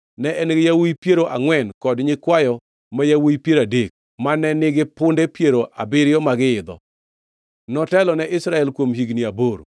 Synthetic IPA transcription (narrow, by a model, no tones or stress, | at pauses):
nɛʔɛnɪɡɪjawojpjeɾoʔaŋwɛnkɔdɲɪkwajɔ | majawojpjeɾadek̚ | manːɛnɪɡɪpʊndepjeɾoʔa̰bɪɾɪjɔmaɡɪɪd̪ɔ̰ | nɔtɛlɔnɛʔɪsɾaɛlkwomɦiɡniaboɾo̰